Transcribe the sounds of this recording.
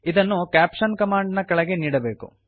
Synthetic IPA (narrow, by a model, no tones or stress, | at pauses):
id̪ɐnːukaːpʃɐnkɐmaːɳɖnɐkɐɭɐɡe̞niːɽɐbe̞ːkṵ